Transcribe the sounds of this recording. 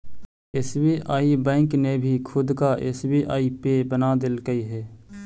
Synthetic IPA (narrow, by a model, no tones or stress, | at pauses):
esbiʔaːibɛ̃ːŋknebʱikʰʊd̪kaʔɪ̰sbiʔa̰ːipebənad̪ɪlɡəiɦɛː